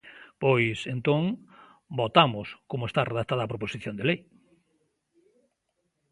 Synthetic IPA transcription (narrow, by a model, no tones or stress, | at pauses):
pojsent̪õŋ | bot̪amʊskomʊest̪areðat̪aðɐaːpɾoposiθjond̪elej